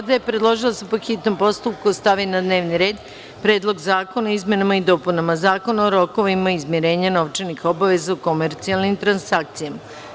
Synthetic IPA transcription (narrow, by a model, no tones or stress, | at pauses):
ad̪ajepɾed̪lˠo̞ʒilˠasepoxit̪no̞mpo̞st̪up̚kust̪aʋinad̪ne̞ːʋniɾe̞ːd̪ | pɾe̞ːd̪lˠo̞ɡzaːko̞naizme̞namaid̪o̞punamazaːko̞naoɾo̞ko̞ʋimaizmjiɾe̞ːɲano̞ʋt͡ʃenixo̞baʋe̞zauko̞meɾt̪sialnimt̪ɾansak̚t̪sijama